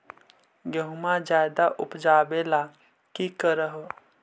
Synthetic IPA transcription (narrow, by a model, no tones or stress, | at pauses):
ɡəɦmad͡ʒaːjd̪aʔʊpd͡ʒaːbela | kikəɾəɦo